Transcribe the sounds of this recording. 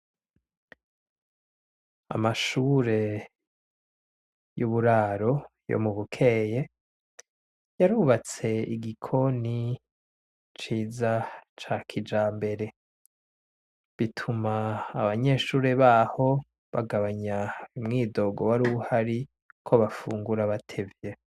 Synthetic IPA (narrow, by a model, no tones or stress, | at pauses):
a̰maʃuːɾe̞ | juβuɾaːɾo̞jo̰muβukʰe̞ːje̞ | jaɾuβat͡se̞iɡikʰo̞ni | t͡ʃiːzat͡ʃakʰid͡ʒaːmbe̞ɾe̞ | βitʰumaːβaɲe̞ːʃuːɾeβaːho̞ | βaɡaβaɲaimŋiːdo̞ɡo̞waɾuhaɾi | kʰo̞βafṵːŋɡuɾaβatʰe̞vje̞